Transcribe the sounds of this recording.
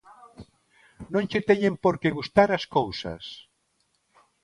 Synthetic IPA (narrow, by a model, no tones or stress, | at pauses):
nõŋt͡ʃet̪ɛɲẽmpoɾkeɣust̪aɾaskowsɐ̰s